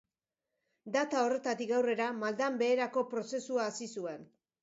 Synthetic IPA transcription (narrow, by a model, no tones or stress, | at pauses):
d̪at̪ao̞re̞t̪at̪ik̚ɡawre̞ɾamald̪ambe̞ːɾako̞pɾo̞se̞suaːsisue̞n